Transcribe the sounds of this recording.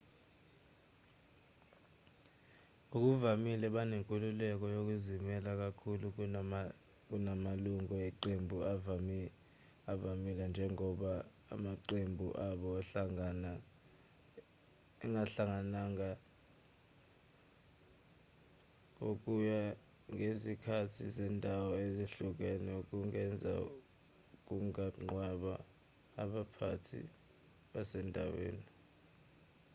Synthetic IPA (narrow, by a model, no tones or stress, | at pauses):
ok̬ʼuvamilɛɓaneŋkʼululɛk̬ɔjok̬ʼuzimɛlak̬akʰulu | k̬ʼunamaluŋʱɔɛǃembʱuav | avamilɛnd͡ʒʱɛŋɔɓa̰ː | maǃembʱṵʔaɓɔaɬaŋana | ɛŋʱaɬaŋanaŋa | kok̬uja | ŋʱesikʰatʰizɛndʱawɔeziɬuk̬ɛnɛuk̬uŋɛnd͡zʱa̰ | uk̬uŋaŋ͡ǃwaɓa̰ː | ɓapʰatʰḭ | ɓasɛndʱa̰wḛːni